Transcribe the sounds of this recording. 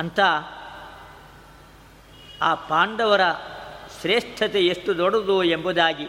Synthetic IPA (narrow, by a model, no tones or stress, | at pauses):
ɐnt̪ʰɐ | aːpaːɳɖɐʋɐɾɐʃɾeːʂʈʰɐt̪eeʂʈud̪oɽud̪uembud̪aːɡi